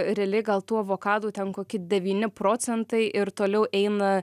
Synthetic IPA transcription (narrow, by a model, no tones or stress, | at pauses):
ɾʲɛːlʲɪɡɐlˠt̪uːʋoːkɑːd̪uːt̪ʲɛnkoːkʲɪd̪ʲɛʋʲiːnʲɪpɾoːt͡s̪ʲɛnt̪ɐɪʔɪɾt̪oːlʲɛʊʔɛɪnɐ